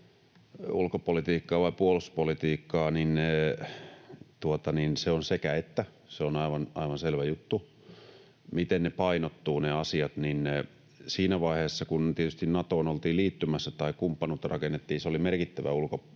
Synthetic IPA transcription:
ṵlkopolit̪iːkːɑːʋɑipuoluspolit̪iːkːɑːnin | t̪uot̪ɑninseonsekæet̪ːæ | seonɑiʋɑnʔɑiʋɑnselʋæjut̪ːu | mit̪ennepɑinot̪ːuːneɑsiɑt̪nin | siːnæʋɑiheːsːɑkunt̪iet̪yst̪innɑt̪oːnolt̪iːliːt̪ːymæsːæt̪ɑikumpːɑnuːt̪ːɑrɑkenːet̪ːiːnseolimerkit̪ːæʋæ̰ulko

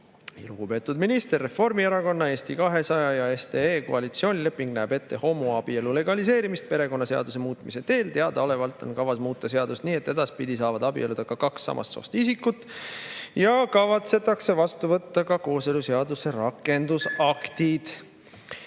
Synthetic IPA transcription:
luɡ̥upe̞ːt̪ˑud̪minist̪erːe̞fo̞rmieɾɑko̞nːɑe̞ːst̪ikɑɦe̞sɑjɑjɑe̞st̪eeːko̰ɑlit̪sio̞ːnʲilepːˑiŋɡ̥næːbe̞t̪ːe̞ho̞muɑb̥ie̞lule̞ɡ̥ɑlise̞ːɾimist̪̚pe̞ɾe̞ko̞nːɑse̞ɑ̰d̪̥us̬e̞muːt̪ˑmise̞t̪e̞ːlt̪e̞ɑd̪̥ɑo̞le̞vɑlt̪ːˑo̞̰nkɑvɑsmuːt̪ˑːɑse̞ɑd̪ust̪niːe̞t̪ːe̞d̪ɑspid̪̥isɑːvɑd̪̥ɑbḭʔe̞lud̪̥ɑkɑkɑksɑ̰mʔɑ̰st̪so̞̰ːst̪isikːut̪ːˑ | jɑkɑvɑt̪se̞t̪ːˑɑkse̞vɑst̪uvɤt̪ːɑkɑko̞ːse̞luseɑd̪use̞rɑkːˑe̞nd̪usɑkt̪id̪̥

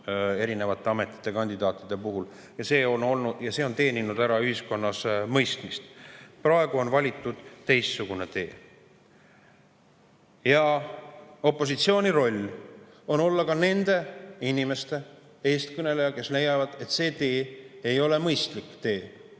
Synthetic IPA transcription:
e̞ɾine̞vɑt̪ːˑe̞ɑme̞t̪ˑːi̥t̪ːˑe̞kɑnʲd̪id̪ɑːt̪ːˑid̪̥e̞puɦul | jɑse̞ːo̞no̞lnujɑse̞ːo̞nt̪e̞ːninud̪æɾɑyhisko̞nːɑsmɤjst̪mist̪prɑe̞ɡ̥uo̞nvɑlʲit̪ːˑud̪̥t̪e̞jstsuɡ̥une̞t̪e̞ː | jɑ | o̞pːˑo̞s̬it̪sio̞ːnʲiɾo̞lʲː | o̞no̞lːɑkɑne̞nd̪e̞inime̞st̪e̞ | e̞ːst̪kɯnelejɑke̞slejɑvɑd̪̥e̞t̪se̞ːt̪e̞ːejo̞le̞mɤjst̪likːt̪e̞ː

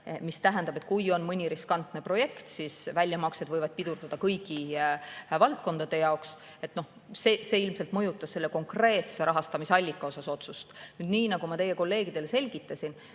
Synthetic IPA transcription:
mist̪æɦænd̪ɑbe̞t̪̚ːˑkujo̞nmɤnʲiɾiskɑnt̪ˑne̞pro̞je̞kt̪sisvælʲjɑmɑkse̞d̪vɤjvɑd̪̥̚pid̪̥uɾd̪̥ɑd̪̥ɑkɤjki | vɑlt̪̚ko̞nd̪̥ɑd̪̥e̞jɑoks | e̞t̪ˑno̞h | seseːilmselt̪mɤjut̪ːˑɑsse̞lːeko̞ŋkre̞ːt̪se̞ɾʔɑɦɑst̪ɑmiseɑlʲːikːˑɑo̞sɑso̞t̪sust̪nyːd̪niːnɑɡ̥umɑt̪e̞je̞ko̞lːe̞ːɡ̥id̪̥e̞lse̞lʲɡit̪ːˑɑsʲin

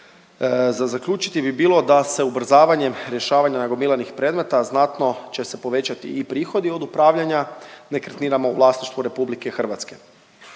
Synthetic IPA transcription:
zazakʎut͡ʃi̥t̪ibibiːlo̞d̪ase̞ubr̩zaːʋaɲe̞mɾjeʃaːʋaɲanaɡo̞milˠanixpɾe̞ːd̪me̞t̪aznat̪no̞t͡ɕe̞se̞po̞ʋe̞t͡ɕat̪ḭipɾiːxo̞d̪io̞d̪upɾaːʋʎaɲane̞kɾet̪niːɾamoṵvlˠaːsniʃt̪ʋuɾe̞publike̞xr̩ʋat̪ske̞

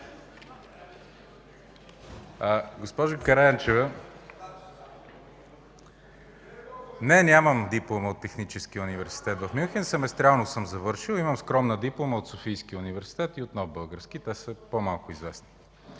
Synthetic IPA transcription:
əɡospɔʒʊkɐɾɛənt͡ʃɛvə | nɛnʲaməmd̪iplˠoməot̪ːɛxnit͡ʃɛsk̟iəunivɛɾsi̥t̪ɛt̪vəfmʲuxʲɛnsɛmɛst̪ɾʲalˠnosɤmzɐvɤɾʃilˠiməmskɾɔmnəd̪iplˠoməot̪sofijskiunivɛɾsi̥t̪ɛt̪iot̪nɔvbɤlˠɡəɾsk̟it̪ɛsəpomalˠkʊizvɛsni̥

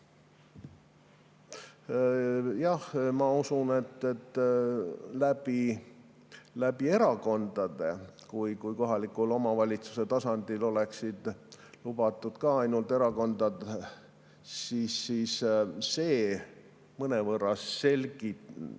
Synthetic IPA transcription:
jɑhmɑusune̞t̪ːe̞t̪ː | læbi | læb̥ie̞ɾɑko̞nd̪̥ɑd̪̥e̞kujkujko̞ɦɑlikulo̞mɑvɑlʲit̪su̥se̞t̪ɑsɑnd̪̥ilo̞le̞ksid̪̥lubɑt̪ːˑud̪̥kɑɑjnult̪e̞ɾɑko̞nd̪ɑd̪ | siːsːiːsse̞ː | mɤnevɤrːɑsːe̞lʲɡi

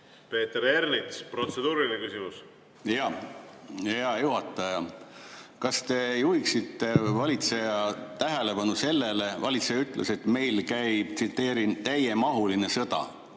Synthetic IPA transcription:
pe̞ːt̪eɾeɾnit̪spro̞t̪sed̪uːɾinekysimus | jɑ | ɑjuhɑt̪ːˑɑjɑ | kɑst̪e̞juhiksit̪ːe̞vɑlʲit̪se̞jɑt̪æɦe̞le̞pɑnuse̞lːele̞vɑlʲit̪sejɑyt̪ːˑlʔese̞t̪me̞jlkæjt̪sit̪ːˑe̞ːɾint̪æje̞mɑɦuline̞sɤd̪̥ɑ̰

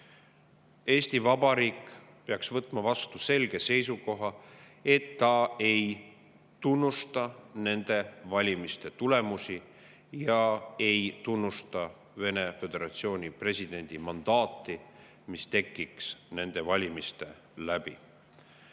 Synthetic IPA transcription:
e̞ːsʲt̪ivɑbɑɾiːk | pe̞ɑksvɤt̪ːˑmɑvɑst̪use̞lɡ̥e̞se̞js̬uko̞ɦɑe̞t̪ːɑe̞j | t̪unːust̪ɑne̞nd̪̥e̞vɑlʲimist̪e̞t̪ule̞musi | jɑe̞jt̪unːust̪ɑ | ve̞ne̞fe̞d̪̥e̞ɾɑt̪sio̞ːnʲipre̞sʲid̪̥e̞nʲd̪̥imɑnd̪̥ɑːt̪ːˑi | mist̪e̞kːiksne̞nd̪̥e̞vɑlʲimist̪e̞ | læb̥ḭ

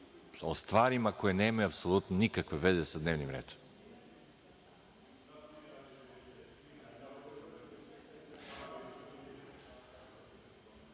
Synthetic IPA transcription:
ost̪vaɾimakojɛnɛmaɛapsolˠut̪nonikakvɛvɛzɛsad̪nɛvnimɾɛ̰t̪

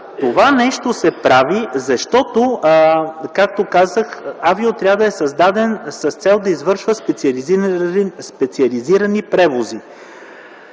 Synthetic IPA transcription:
t̪ovanɛʃt̪osɛpɾavizɐʃt̪ɔt̪o | kak̚t̪okazəxaviot̪ɾʲavəd̪ɐɛsɐzd̪ad̪ɛnsɐst̪sɛlˠd̪ɐizvɤɾʃvəspɛt̪siɐli | spɛt̪siɐliziɾɐnipɾɛvozi

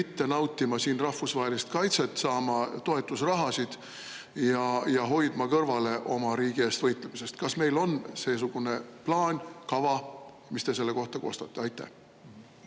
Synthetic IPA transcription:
it̪ːe̞nɑwt̪ːˑimɑsiːnrɑhfusvɑɦelist̪kɑjt̪se̞t̪ːsɑːmɑt̪o̞e̞t̪ːˑusrɑɦɑsid̪̥ | jɑjɑɦo̞jd̪̥mɑkɤrvɑle̞ʔo̞̰mɑɾiːɡ̥ieːst̪vɤjt̪ˑlemise̞st̪kɑsme̞jlo̞nse̞ːs̬uɡ̥une̞plɑːnʲkɑvɑ | mist̪e̞se̞lːe̞ko̞ht̪ɑko̞̰ːst̪ɑt̪ːˑe̞ɑjt̪ːˑæ̰h

